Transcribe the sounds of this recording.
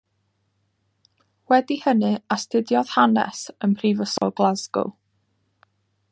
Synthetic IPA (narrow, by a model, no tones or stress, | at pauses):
wɛdihənɨastʰɪdjɔð̥hanɛ̰sənpʰrivəsɔ̰lˠɡlˠazɡʊ̰